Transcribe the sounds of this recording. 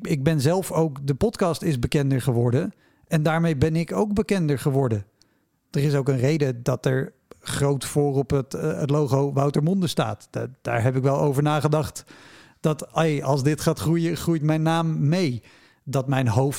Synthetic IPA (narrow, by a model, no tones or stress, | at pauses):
ɪɡ̚bɛnzɛlˠfowkdəpɔtkɑstɪzbəkɛndəɹχəʋɔɹdən | ɛndaːɹmejbɛnɪkowkbəkɛndəɹχəʋɔɹdə | d̥ərɪsowkənrejdədɑtɛɹ | χrowtfʊːrɔpətətloχowʋʌwtəɹmɔndəsta̰ːtd̥a̰ːɹɦɛpɪkʋɛlˠo̰wvəɹnaːχədɑχt | d̥ɑtɑlˠzdɪtχaːtχrujəχrujtmɛjnːaːmːej | dɑtmɛjnɦowf